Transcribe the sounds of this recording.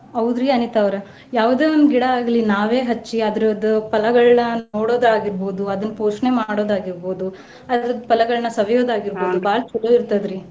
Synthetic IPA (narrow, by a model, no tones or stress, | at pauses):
ɐʋd̪ɾiːɐnit̪ɐʋɾe | jaːʋd̪e̞ːond̪uɡiɽɐaːɡɐlinaːʋe̞ːɦɐt͡ʃːiɐd̪ɾod̪upɐlɐɡɐɭnɐno̞ːɽo̞ːd̪ɾaːɡiɾboːd̪uɐd̪ɐnːpoːʂnemaːɽoːd̪aːɡiɾboːd̪u | ɐd̪ɾɾɐd̪pɐlɐɡɐɭnɐsɐʋɐjoːd̪aːɡiɾbo̞ːd̪ubaːlt͡ʃulːoːiɾt̪ɐd̪ɾi